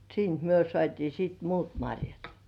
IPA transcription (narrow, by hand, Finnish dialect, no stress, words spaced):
siːnt myø sŏɑˑtiː siːt muːt mɑrʲjɑt